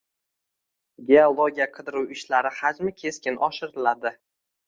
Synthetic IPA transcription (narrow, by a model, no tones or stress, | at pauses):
ɡʲeolˠoɡʲijaqʰɨd̪ɪɾuwɪʃlaɾɪhad͡ʒmɪkʲʰe̞skʲɪnʔɒʃɪɾɪlad̪ɪ